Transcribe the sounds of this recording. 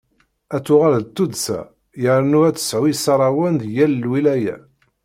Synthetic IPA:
æt͡sːʊʁalðt̪ːud̪sæ̰ | jəɾnuæt͡sːə̥sʕuisɑɾˤɑwənd̪jælːwilæjæ̰

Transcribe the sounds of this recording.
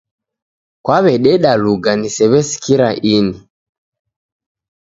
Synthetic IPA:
kwaβɛɗɛɗaluɡanisɛβɛsi̥kiɾaʔini

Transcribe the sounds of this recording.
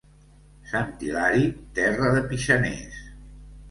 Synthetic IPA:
sant̪ilaɾit̪ɛrəðəpiʃənḛs

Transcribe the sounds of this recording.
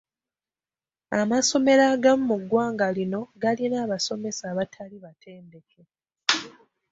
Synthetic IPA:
amaso̞me̞ɾaːɡamumuɡːwaːŋɡalino̞ɡalinaːβaso̞me̞saːβatʰaliβatʰe̞ːnde̞kʰe̞

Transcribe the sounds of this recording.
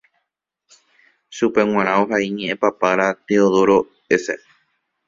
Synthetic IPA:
ʃupe̞w̃ãɾ̃ãoɦaiɲẽʔẽpapaɾat̪eoðoɾo̞ | esḛ

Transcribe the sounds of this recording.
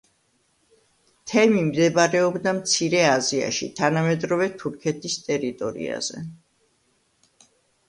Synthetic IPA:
t̪ʰɛmimd̪ɛbaɾɛɔbd̪amt̪sʰiɾɛazia̰ʃḭt̪ʰanamɛd̪ɾɔvɛt̪ʰuɾkʰɛt̪ʰist̪ʼɛɾit̪ʼɔɾḭa̰z̥ɛ̰

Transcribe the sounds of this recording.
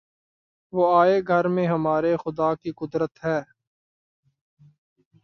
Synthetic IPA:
ʋoːaːeɡʱəɾmẽɦəmaːɾexʊd̪aːkiqʊd̪ɾət̪ɦɛː

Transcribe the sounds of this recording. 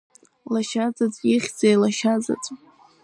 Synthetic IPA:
laʃad͡zʼat͡sʼiχʲd͡zejlaʃad͡za̰t͡sʼ

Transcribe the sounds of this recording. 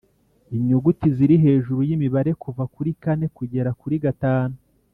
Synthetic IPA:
iɲoɡutiziɾiɦe̞ːʒuɾujimiβaɾe̞kuvakuɾikane̞kuɟe̞ɾakuɾiɡataːnu

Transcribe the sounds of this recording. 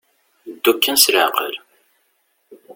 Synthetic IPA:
d̪ːukːænsɾəʕqə̰l

